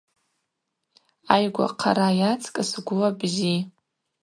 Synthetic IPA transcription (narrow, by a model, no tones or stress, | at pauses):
ajɡʷa̰qʰa̰ɾajat͡sʰʼkʼɨsɡʷʊlabzi